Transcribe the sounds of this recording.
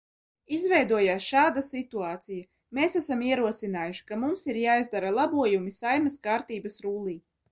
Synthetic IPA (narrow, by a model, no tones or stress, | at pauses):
izvɛjd̪uɔjaːsʃaːd̪asit̪uaːt̪sija | meːsæsamiɛɾuɔsinaːjuʃi̥kamumsiɾjaːizd̪aɾalˠabuɔjumisajmɛskaːɾt̪iːbɐsɾuːlˠiː